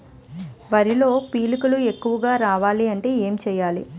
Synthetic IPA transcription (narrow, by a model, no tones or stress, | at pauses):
ʋɐɾilo̞ːpiːlikulue̞kːuʋɐɡaːɾaːʋaːliɐɳʈe̞ːeːmt͡ʃɛːjaːlḭ